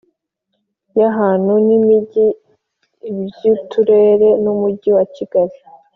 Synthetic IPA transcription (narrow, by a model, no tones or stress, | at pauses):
jaɦaːn̥unimiɟi | bjutuɾe̞ːɾe̞numuɟiwaciɡaɾi